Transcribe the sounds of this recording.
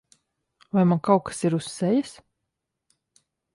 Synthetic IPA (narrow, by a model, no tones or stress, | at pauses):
vajmankawkḁsiɾusːɛjas